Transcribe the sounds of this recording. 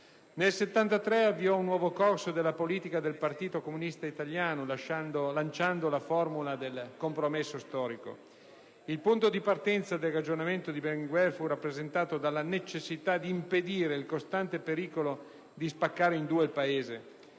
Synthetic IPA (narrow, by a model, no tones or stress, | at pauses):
nelset̪ːant̪at̪ɾɛavːiɔunːwɔːvokɔrsod̪elːapoliːt̪ikad̪elpart̪iːt̪okomunist̪ait̪aljaːnolaʃaolant͡ʃand̪olafɔrmulad̪elkompɾomesːost̪ɔːɾiko̰ | ilpunt̪od̪ipart̪ɛnt̪sad̪elrad͡ʒonament̪od̪ibɛŋɡwɛlfurapːɾezent̪aːt̪od̪alːanet͡ʃesːit̪ad̪iːmped̪iːɾeilkost̪ant̪epeɾiːkolo | d̪ispakːaːɾeind̪uːelpaeːze